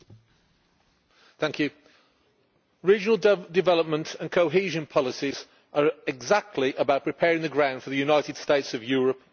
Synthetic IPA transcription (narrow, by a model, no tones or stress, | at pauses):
θæ̃ŋkʰjʉ | ɹiːd͡ʒənəl̩ˠdɪvɛləp̚mə̃ntʰə̃nkʰoʊɦiːʒə̃npʰɒlɪsiz | ʔəɹɪɡzak̚tʰˡliʔəbaʊʔ̚pʰɹ̥ɪpʰɛːɹɪ̃ŋðəɡɹãʊ̃nd̥fəðəjʉnaɪtɪd̥steɪtsəvjɔːɹəp̚